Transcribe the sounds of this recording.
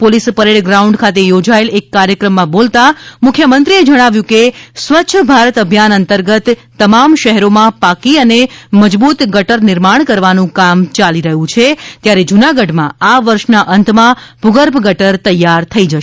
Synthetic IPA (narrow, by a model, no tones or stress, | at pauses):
polispəɾeɭɡɾauɳɖkʰat̪ejod͡ʒaelekːaɾjəkɾəmːãbolt̪amʊkʰjəmə̃nt̪ɾied͡ʒəɽ̃aʋjũkesʋətːʃʰəbʱaɾət̪əbʱjanənt̪əɾɡət̪ː | əmamʃəɦɛɾomãpakiəneməd͡ʒbut̪ɡʱəʈəɾnɪɾmaɳ̃kəɾʋanũkamt͡ʃaliɾəɦũt͡ʃʰet̪jaɾed͡ʒunaɡəɖmã̰aʋəɾʃnaʔənt̪ʰmãbʱʊɡəɾpɡəʈəɾt̪əjːaɾt̪ʰəid͡ʒəʃ